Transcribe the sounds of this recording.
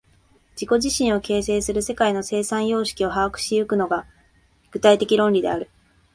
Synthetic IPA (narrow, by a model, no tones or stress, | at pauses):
d͡ʑiko̞ʑiɕĩɰ̃o̞ke̞ːse̞ːsɨɾɯ̟se̞kaino̞se̞ːsãɰ̃jo̞ːɕi̥kʲio̞ɦaːkɯ̟̥ɕijɯkɯ̟no̞ɡa | ɡ̥ɯt̪ait̪e̞kʲiɾõ̞nɾʲid̪e̞̰aɾɯ̟